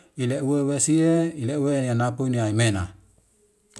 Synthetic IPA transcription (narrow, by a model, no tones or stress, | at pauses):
ileuewesieileuwenianapuniaimena̰